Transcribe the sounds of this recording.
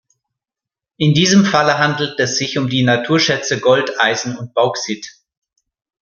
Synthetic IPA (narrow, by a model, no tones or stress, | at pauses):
ʔɪndiːzəmfaləɦandl̩tɛsz̥ɪçʊmdiːnatʰuːɐʃɛt͡səɡɔltaɪzn̩ʊnt̚b̥aʊksɪt